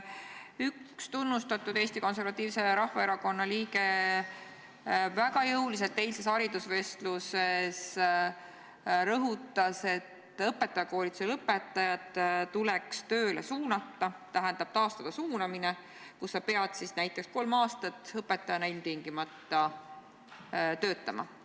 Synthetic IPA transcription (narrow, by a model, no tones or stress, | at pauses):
ykst̪unːust̪ɑt̪ːˑud̪e̞ːst̪iko̞ns̬e̞ɾvɑt̪ːˑiːvse̞ɾɑhvɑe̞ɾɑko̞nːɑliːke̞ | væɡɑjɤwlis̬e̞lt̪ːe̞jlse̞shɑɾid̪̥usve̞st̪luses | ɾɤɦut̪ːˑɑse̞t̪ːˑɤpːe̞t̪ːˑɑjɑko̞ːlʲit̪suelɤpːˑe̞t̪ˑːɑjɑd̪ˑt̪ːulekst̪øːlḛsuːnɑt̪ːɑt̪æɦænd̪ɑb̥̚t̪ɑːst̪ɑd̪̥ɑsuːnɑmine | kusːɑpe̞ɑd̪̥sisnæjt̪ˑːeksko̞lmɑːst̪ɑt̪ːɤpːe̞t̪ːˑɑjɑnæilʲmt̪iŋɡ̥imɑt̪ːˑɑ | t̪ø̞ːt̪ˑːɑmɑ̰